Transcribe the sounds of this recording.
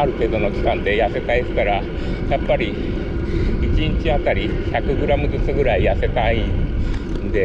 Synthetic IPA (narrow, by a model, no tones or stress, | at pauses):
aɾɯ̟ke̞d̪o̞mo̞kʲi̥kãnd̪e̞jase̞t̪aisɨ̥t̪aɾa | japːaɾʲi | it͡ɕiɲit͡ɕiat̪aɾʲi | çakɯ̟ɡɯ̟ɾamɯ̟zɨt͡sɨɡɯ̟ɾaijase̞t̪aĩnnd̪e